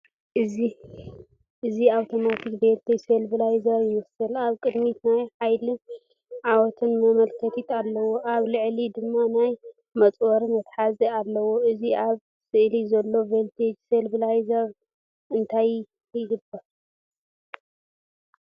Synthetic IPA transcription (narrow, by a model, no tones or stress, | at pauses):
ʔɨzi | ʔɨziawt̪ʰo̞mat̪ʰikbeɾt̪ʰɐselbɨlajzɐɾjɪmɐsɨlaβkʼɨd̪mit̪najħajli | ʕawɔt̪ʰɨnmɐmɐlkʰɐt̪ʰit̪alːɐwoʔaβlɨʕlid̪ɨmːanaj | mɐt͡sʼwɐɾimɐt̪ħazialːɐwoɨziʔaβ | sɨʔlizɐlːo̞velt̪ʰed͡ʒselbɨlajzɐɾ | ɨnt̪ʰaj | kʰd̪ɨbɐ